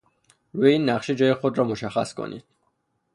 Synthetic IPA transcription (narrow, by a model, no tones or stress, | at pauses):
veiːnːæχʃid͡ʒɒːjexod̪ɾɒːmoʃæxæ̰skʰo̰nʔḭːd̪̥̚